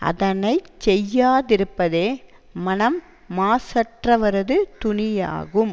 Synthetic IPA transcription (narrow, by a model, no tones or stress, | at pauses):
ɐ̰ðɐnɐɪt͡ʃɛjːaːðɪɾɯpːɐðeː | mɐnɐmː | aːsɐʈrɐʋɐɾɐðɯt̪ʊnɪja̰ːɣɯm